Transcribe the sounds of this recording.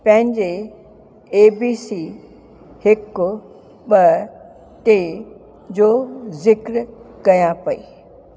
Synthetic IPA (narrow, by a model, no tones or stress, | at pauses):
pɐ̃ɦɪ̃ɲd͡ʑe | eːbiːsiː | hɪkʊ | ɓɐ | t̪e | d͡ʑoːzɪkɾkɐjãpɐiː